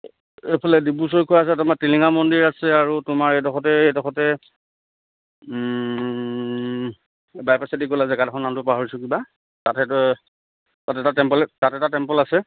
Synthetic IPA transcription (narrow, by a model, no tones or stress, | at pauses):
epʰalɛdibus̬ɔɹkʰɔjaas̬ɛtamatiliŋamɔndiɹasɛaɹutʊmaɹɛjtɔxʰɔtɛedɔxʰɔtɛ | bajpasatikolasɛɡadaxʰɔnamtʊpaɦɔɹisʊkiba | tatɛt | tatɛtatɛmpɔlɛtatɛtatɛmpɔlasɛ